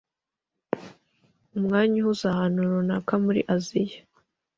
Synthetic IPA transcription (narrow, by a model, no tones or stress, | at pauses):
umŋaːɲahuzahanuɾonakamuɾḭʔazijḁ